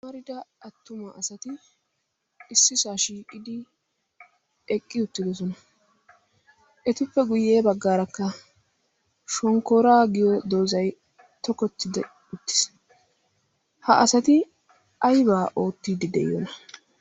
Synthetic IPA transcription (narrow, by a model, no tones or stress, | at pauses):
mɐɾɪd̪ɐʔɐt̪ːʊmɐʔɐsɐt̪ɪ | ɪsːɪsaːʃiːkʼɪd̪ɪ | ɛkʼːɪʊt̪ːɪd̪ɔs̬ɔnɐ | ʔɛt̪ʊpːɛɡʊjːe̞ːbɐɡːaːɾɐkːɐ | ʃɔŋkːoːɾaːɡɪjɔd̪o̞ːzɐj | t̪ɔkɔt̪ːɪd̪ɛ | ʊt̪ːɪ̥s | hɐʔɐsɐt̪ɪ | ɐjbaːʔo̞ːt̪ːiːd̪ɪd̪ɛ̰j̰ːɔ̰nɐ